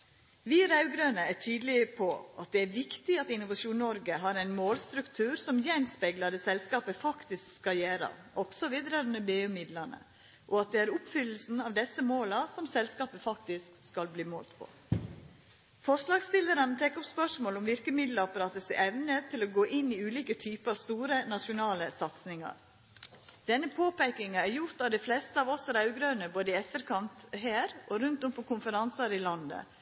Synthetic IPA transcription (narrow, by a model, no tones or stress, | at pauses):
ʋiːɾɑʉɡɾøːnəæʈʰyːd̪lɪəpʰɔʔɑt̪̚d̪ɛæɾʋɪkt̪ɪɑt̪ɪnʊʋɑʂuːnːɔɾɡəɦɑːɾæɪnmoːlst̪ɾʉkt̪ʰʉːɾsɔmjɛnspɛɡlɑd̪əsɛlskɑːpəfɑkt̪ɪskskɑjæːɾə̰ | ɔksɔʋiːd̪ɾɛɾʉnəbeːʉmɪd̪lɑnə̰ | ʔɔɑt̪̚d̪ɛæɾʊpfʏlːəl̩sn̩ɑʋd̪ɛsəmoːlɑsɔmsɛlskɑːpəfɑkt̪ɪskskɑlbliːmo̰ːlt̪pʰɔ̰ | fɔʂlɑːɡst̪ɪləɾənt̪ʰɛkːɔpspœʂmoːlɔmʋɪɾkəmɪd̪ləɑpɑɾɑːt̪əsɛʔɛʋnət̪ʰɪloɡoːʔɪnːiʉːliːkət̪ʰyːpəɑʋst̪uːɾənɑʂʊnɑːləsɑt̪snɪŋɑ̰ɾ | d̪̥ɛnːəpʰoːpæɪkɪŋɑæɾjʊɾt̪ɑʋd̪ɛflɛst̪əɑːʋɔsæɾɑʉɡɾœʉnəboːd̪əɪɛt̪ːəɾkʰɑnt̪ɦæːɾʔɔɾʉnt̪ɔmpɔkʊnfəɾɑnsɑɾɪlɑnd̪ə̰